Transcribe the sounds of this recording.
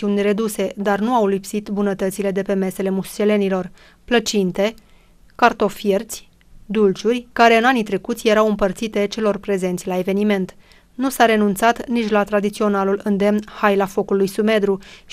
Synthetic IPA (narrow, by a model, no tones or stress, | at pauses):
iunʲre̞d̪use̞d̪arnuawlipsit̪bunət̪ət̪sile̞d̪e̞pe̞me̞se̞le̞must͡ʃe̞le̞nilo̞r | plət͡ʃint̪e̞ | kart̪o̞fje̞rt̪sʲ | d̪ult͡ʃurʲkaɾe̞ɨnanit̪ɾe̞kut̪sʲje̞ɾawɨmpərt̪sit̪e̞t͡ʃe̞lo̞rpɾe̞ze̞nt̪sʲlae̞ve̞nime̞nt̪ | nusaɾe̞nunt̪sat̪nit͡ʃʲlat̪ɾad̪it̪sio̞nalulɨnd̪e̞mnhajlafo̞kulujsume̞d̪ɾu